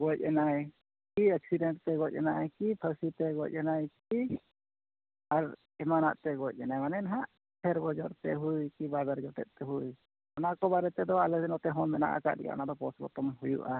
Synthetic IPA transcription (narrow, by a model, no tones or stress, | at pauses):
ɡɔc̚ˀɛnaj | kiɛksiɖɛɳʈt̪ɛɡɔc̚ˀɛnajkipʰasit̪ɛɡɔc̚ˀɛnajki | aɾ | ɛmana̰ʔt̪ɛɡɔc̚ˀɛnajmanɛnaɦaʔ | t̪ʰɛɾbɔd͡ʒɔɾt̪ɛ̰ɦujkibabɛɾd͡ʒɔt̪ɛ̰t̪̚t̪ɛɦuj | ɔnakɔbaɾɛt̪ɛd̪ɔalɛɛnɔt̪ɛɦɔmɛna̰ʔa̰ka̰ʔ̚ɾɛ̰ja̰ʔnad̪ɔpɔsbɔ̰t̪ɔmɦujṵʔa